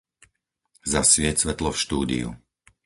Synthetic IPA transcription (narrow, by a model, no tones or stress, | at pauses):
zasʋɪɛcsʋɛt̪lɔfʃt̪uːd̪ḭṵ